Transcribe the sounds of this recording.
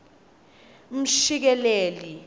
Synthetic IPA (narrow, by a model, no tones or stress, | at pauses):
m̩ʃik̬ɛleːli